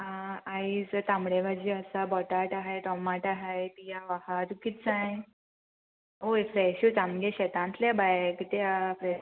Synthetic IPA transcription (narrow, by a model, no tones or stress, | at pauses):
ɦãaid͡zət̪ãmɽebad͡ʑiːəsabɔʈaʈaɦajʈɔmaʈaɦajt̪ijaʋahat̪ukit̪t͡sãj | oefɾɛɕjut͡sãmɡẽɕɛt̪ãnt̪lebajkit̪afɾɛ